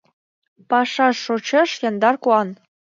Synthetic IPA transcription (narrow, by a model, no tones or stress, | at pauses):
pɑʃɑʃːot͡ɕɤ̆ʃjɑ̆nd̪ɑrkuɑn